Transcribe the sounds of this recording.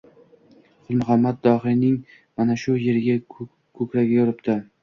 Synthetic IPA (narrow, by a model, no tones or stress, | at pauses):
χʊlˠmʊχamːad̪̚d̪ɒɦɪnɪŋ | manaʃʊjeɾɪɡʲa | kʰɵkɾaɡʲajɒɾɪp̚t̪ɪ